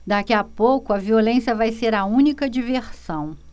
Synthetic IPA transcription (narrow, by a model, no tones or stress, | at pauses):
d̪akiɐpowkʊɐviolẽsjɐvajseɾɐũnikɐd͡ʒiveɾsɐ̃w̃